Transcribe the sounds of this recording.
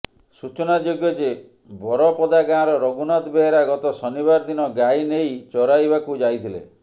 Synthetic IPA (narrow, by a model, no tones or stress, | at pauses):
sut͡ʃɔnad͡ʒoɡjɔd͡ʒe | bɔɾɔpɔd̪aɡãɾɔɾɔɡunad̪beeɾaɡɔt̪ɔsɔniβaɾɔd̪inɔɡajnejt͡ʃɔɾajbakud͡ʒajt̪ʰilḛ